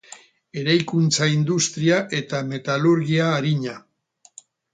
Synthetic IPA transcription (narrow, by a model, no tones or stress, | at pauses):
e̞ɾajkunt͡saind̪ust̪ɾiaʔe̞t̪ame̞t̪aluɾɣiaːɾiɲa